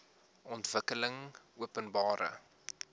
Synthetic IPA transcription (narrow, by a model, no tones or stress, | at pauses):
ʔɔntv̥əkələŋuəpənbɑːɾə̰